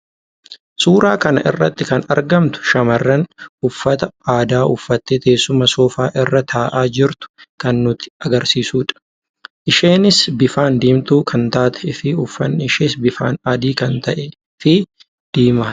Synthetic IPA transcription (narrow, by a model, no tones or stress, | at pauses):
suːɾaːkɐnɐ̰ʔɪ̰rːɐ̰t̪ːɪkɐnɐ̰ɾɡɐmt̪ʊ̥ʃɐmɐrːɐnʊfːɐt̪ɐaːd̪aːʔʊfːɐt̪ːet̪eːsːʊmɐsɔːfaːʔɪrːɐt̪ʰaːʔaːd͡ʒɪɾt̪ʊ̥kɐnːʊt̪ɪ̥ɐɡɐɾsiːsuːᶑɐ̥ | ʔɪʃeːnɪsbɪfaːnd̪iːmt̪uːkʰɐnt̪aːt̪ɛ̥ɪfɪʊfːɐnɪʃeːsbɪfa̰ːnɐd̪iːkɐnt̪ɐʔɛ | fɪ | d̪̥iːmɐ